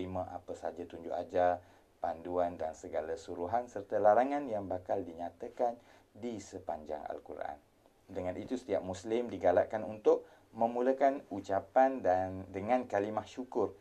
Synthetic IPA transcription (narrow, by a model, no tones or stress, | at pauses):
imãʔa̰pasad͡ʒat̪uɲd͡ʒʊ̰ʔad͡ʒa | panduandansəɡalasuɾuɦansərt̪alaɾaŋãnjaŋbakaldiɲat̪akan | disəpaɲd͡ʒa̰ŋa̰lkuɾʔa̰n | dəŋãnit̪usə̥t̪iaʔ̚muslɪmdiɡala̰ʔkanunt̪ʊʔ̚ | mə̃mulakanut͡ʃapandandəŋãnkalimahʃukʊr